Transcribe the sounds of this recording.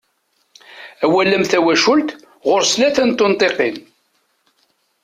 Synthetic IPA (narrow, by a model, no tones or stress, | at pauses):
æwælːəmθæwæʃʊlt̪ | ʁʊɾslæθənt̪ːont̪ˤeqin